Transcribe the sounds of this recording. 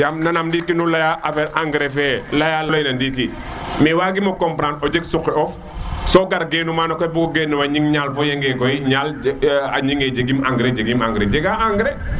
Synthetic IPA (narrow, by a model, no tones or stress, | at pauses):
jamnanamndikinulajaʔafɛɾʔaŋɡɾɛfɛlajallojnandiki | mɛwaɡimɔkɔmpɾanɔd͡ʒɛɡsukːɛɔf | sɔɡaɾɡɛnumanɔkɔjbuɡɔɡɛnːuwaɲiŋɲalfɔjeŋɡɛkɔjɲala̰ɲiŋɛd͡ʒeɡimaŋɡɾed͡ʒeɡimaŋɡɾɛd͡ʒɛɡaaŋɡɾɛ